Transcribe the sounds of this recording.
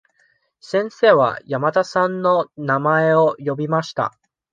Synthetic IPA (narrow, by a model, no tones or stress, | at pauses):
sẽ̞ɰ̃se̞ːβa̰jamat̪asãnːo̞namae̞o̞jo̞bʲimaɕi̥t̪a̰